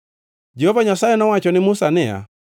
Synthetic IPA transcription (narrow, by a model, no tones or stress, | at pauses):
d͡ʒɛhɔvaɲasaɛnɔwat͡ʃɔnɪmusanɛa̰